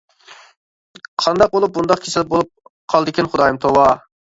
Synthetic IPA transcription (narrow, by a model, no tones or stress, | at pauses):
qʰɑnd̪ɑq̚bolˠup̚bund̪ɑqkʲʰisɪlbolˠup̚qʰɑlˠd̪ɪkʲinχʊd̪ɑːjɨmt̪ʰowɑ